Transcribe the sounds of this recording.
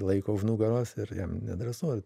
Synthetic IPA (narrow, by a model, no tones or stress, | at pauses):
lˠɐɪkoːʒnuːɡɐɾoːsɪɾjɛmnʲɛ̰d̪ɾɐsoːr